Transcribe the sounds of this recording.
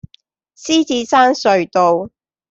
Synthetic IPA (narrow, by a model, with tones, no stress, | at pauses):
siː˥t͡siː˨˧saː˥nsɵ˨˧ɥt̪o˨˧w